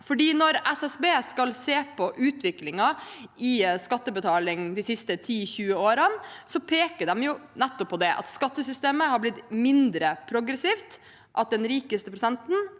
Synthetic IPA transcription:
fɔɖiːnɔɾɛsɛsbeːskɑlseːpʰɔʔʉːt̪ʋɪklɪŋɑɪskɑt̪ːəbət̪ʰɑːlɪŋd̪ɪsɪst̪ət̪ʰiːçʉːəoːɾənsɔpʰeːkəɖ̪ɛmjʊnɛt̪ːɔpʰːɔd̪ɛʔɑ̰t̪skɑt̪ːəsʏst̪eːməhɑɾblɪt̪mɪnd̪ɾəpʰɾʊɡɾɛsiːft̪ | ʔɑt̪̚d̪ɛnɾiːkəst̪əpʰɾʊsɛnt̪n̩

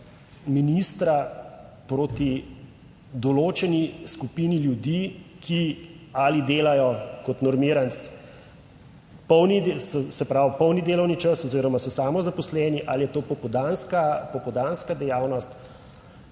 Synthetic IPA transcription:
minist̪ɾa | pɾoːt̪i | d̪ɔloːt͡ʃɛniskupiniljud̪iːkʰi | alid̪eːlajɔkɔt̪nɔɾmiɾant̪s | pɔwnisɔsɛpɾawpɔwnid̪eːlɔwnit͡ʃəsɔziːɾɔmasɔsaːmɔzapɔslɛːniʔalijɛt̪oːpɔpɔd̪anskapɔpɔd̪anskad̪ɛjaːwnɔst̪

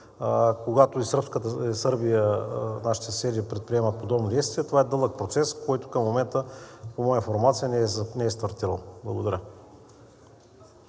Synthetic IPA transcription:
koɡat̪ʊisəɾpskət̪əisɤɾbijənaʃi̥t̪ɛsɛd̪ipɾɛt̪̚pɾiɛmət̪̚pod̪ɔbnod̪ɛjst̪vʲiɛt̪ovaɛd̪ɤlˠək̚pɾot̪sɛskɔjt̪ʊ̥kɐmːomɛnt̪əpomɔjəifoɾmat̪sijənɛnɛɛst̪ɐɾt̪iɾəlˠblˠɐɡod̪ɐɾʲə

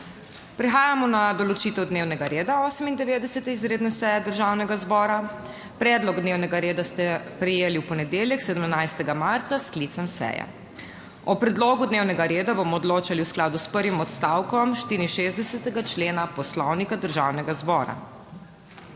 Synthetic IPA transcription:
pɾɛxaːjamɔnad̪ɔlɔt͡ʃit̪ɛwd̪neːwnɛɡaɾeːd̪aɔːsəmind̪ɛʋeːd̪ɛsɛt̪ɛizɾeːd̪nɛsɛjɛd̪əɾʒaːwnɛɡazbɔːɾa | pɾɛːd̪lɔɡd̪neːwnɛɡaɾeːd̪ast̪ɛpɾɛjeːliwpɔnɛd̪eːljɛksɛd̪əmnajst̪ɛɡamaɾt̪sasklit̪sɛmsɛ̰jɛ̰ | ɔpɾɛd̪loːɡud̪newnɛɡaɾeːd̪abomɔːd̪loːt͡ʃaliwsklaːd̪uspəɾʋimɔt̪st̪awkɔmʃt̪iːɾinʃezd̪d̪ɛsɛt̪ɛɡat͡ʃleːnapɔslɔwnikad̪əɾʒa̰ːwnɛɡazbɔːɾa̰

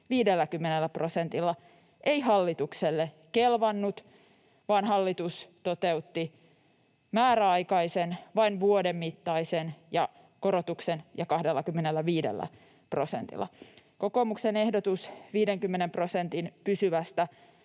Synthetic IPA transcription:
ʋiːdelːækymːenelːæpro̞sent̪ilːɑ | ʔeihɑlːit̪ukselːe | kelʋɑnːut̪ | ʋɑːnɦɑlːit̪ust̪o̞t̪e̞ut̪ːi | mæːɾæɑikɑisenʋɑinʋuodemːit̪ːɑisenjɑ | ko̞ɾot̪uksenjɑkɑhdelːɑkymːenelːæʋiːdḛlːæ̰ | pro̞sḛnt̪ḭlˑːɑ̰ | ko̞koːmuksenehdot̪usʋiːdeŋkymːenempro̞sent̪inpysyʋæst̪æ

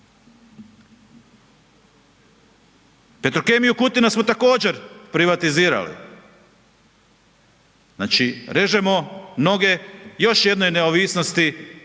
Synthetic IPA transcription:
pe̞t̪ɾoke̞mijukut̪inasmo̞t̪ako̞ːd͡ʑe̞ɾpɾiʋat̪iziːɾa̰lḭ | zna̰ːt͡ʃiɾe̞ʒemo̞no̞ɡe̞jo̞ʃje̞d̪no̞jne̞oʋiːsnost̪i

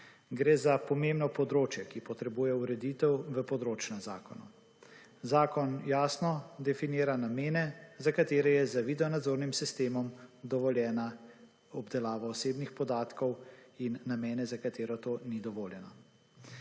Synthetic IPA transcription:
ɡɾeːzapɔmemnɔpɔd̪ɾoːt͡ʃjɛkipɔt̪ɾɛbuːjɛuɾɛd̪iːt̪ɛwʋəpɔd̪ɾoːt͡ʃnɛza̰ːkɔnɔ | zaːkɔnjaːsnɔd̪ɛfinjiːɾanameːnɛzakat̪eːɾɛjɛzəʋiːd̪ɛɔnad̪zoːɾnimsist̪eːmɔmd̪ɔʋɔljɛːna | ɔbd̪ɛlaːʋaɔseːbnixpɔd̪aːt̪kɔwinːameːnɛzakat̪eːɾɔt̪oːnid̪ɔʋoːljɛnɔ

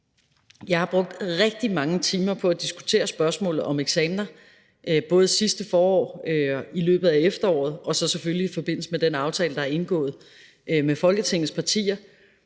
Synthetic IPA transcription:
jɑ̈ɪhɑ̈b̥ʁɔ̽ɡ̥̚d̥ʁɛɡ̥̚d̥imɑ̈ŋət͡sʰiːmɐpʰɒ̽æd̥isɡ̥u̥t͡sʰe̝̰ːɐsb̥ɶɐsmɔ̰̽ːlð̩ˠɒ̽meɡ̥sɛːmnɐ | ʔb̥ɔ̽ːð̞̩ˠsisd̥əfɒːɒ̰ːøilø̰ːb̥ð̩ˠæefd̥ɐɒ̰ːð̞̩ˠɒ̽sɒ̽seføliifɒ̽b̥e̝n̰l̩səmed̥enɑ̈ʊt͡sʰɛ̰ːləd̥ɑ̈æɐe̝nɡ̥ɔ̰̽ːð̞̩ˠ | mefɒ̽lɡ̥ət͡sʰe̝ŋ̰ð̩ˠspʰɑ̈t͡sʰḭːɐ

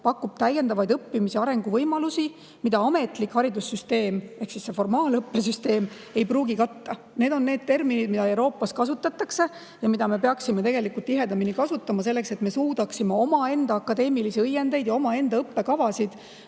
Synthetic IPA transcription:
pɑkːub̥̚t̪æje̞nd̪ɑvɑjd̪ɤpːimisiɑɾe̞ŋɡuvɤjmɑlusi | mid̪ɑɑme̞t̪ˑlikhɑɾid̪usːyst̪e̞ːme̞hksisːe̞fo̞rmɑːlɤpːe̞syst̪e̞ːm | e̞jpruːɡikɑt̪ːɑ | ne̞ːd̪o̞nːe̞ːd̪̥̚t̪e̞rminid̪mid̪ɑe̞wɾo̞ːpːˑɑskɑsut̪ːˑɑt̪ːˑɑkse̞ | jɑmid̪ɑme̞pe̞ɑksime̞t̪e̞ɡ̥e̞likult̪t̪ːiɦe̞d̪ɑminikɑsut̪ːˑɑmɑse̞lːe̞kse̞t̪me̞suːd̪ɑksimeo̞mɑe̞nd̪̥ɑɑkːˑɑd̪e̞ːmilisiɤjːe̞nd̪e̞jd̪jɑo̞mɑe̞nd̪ɑɤpːe̞kɑvɑsid̪̥

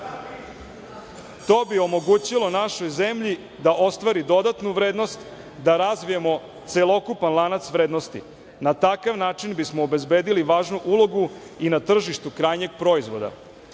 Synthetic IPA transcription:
t̪o̞ːbio̞mo̞ɡuːt͡ɕilˠo̞naʃojzemʎi | d̪aʔo̞st̪ʋaɾid̪o̞d̪at̪nuʋɾeːd̪no̞st̪ | d̪aɾazʋijemo̞ | t̪selˠo̞kupanlˠanat̪sʋɾeːd̪nost̪ḭ | nat̪akaʋnaːt͡ʂinbismoːbe̞zbeːd̪iliʋaːʒnuʔulˠo̞ɡu | inat̪r̩ʒiʃt̪ukɾaːjɲe̞ɡpɾo̞izʋo̞d̪a̰

